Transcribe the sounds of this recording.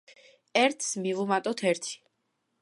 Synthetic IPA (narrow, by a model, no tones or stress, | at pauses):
ɛɾt̪ʰsmivumat̪ʼɔt̪ʰɛɾt̪ʰi̥